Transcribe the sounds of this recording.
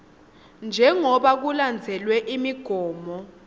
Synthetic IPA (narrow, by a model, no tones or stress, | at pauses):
nd͡ʒʱɛŋɔɓak̬uland͡zʱɛlwɛʔimiɡ̥ʱɔːmɔ